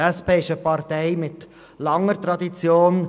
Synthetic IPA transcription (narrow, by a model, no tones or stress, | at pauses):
ɛspʰeːʃəpɑɾt̪ɛɪmɪt̪ | lɑŋəɾt̪ɾɑd̪it͡sjoːn